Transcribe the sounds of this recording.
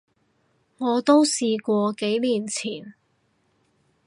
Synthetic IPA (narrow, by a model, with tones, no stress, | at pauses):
ŋɔː˨˧t̪o˥wsiː˨˧kʷɔː˧ke˨˥jliː˨˩nt͡sʰiː˨˩n